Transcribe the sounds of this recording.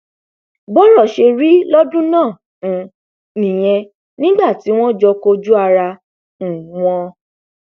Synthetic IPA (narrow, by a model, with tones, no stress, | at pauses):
bɔ˦ɾɔ˦˨ʃe˧ɾi˨˦lɔ˦dũ˦nãː˦˨ | nĩ˨j̃ɛ̃˧ | nĩ˦ɡ͡ba˦˨ti˨˦w̃ɔ̃˦d͡ʒɔ˧ko˧d͡ʒu˦a˧ɾã˧˨ | w̃ɔ̃˧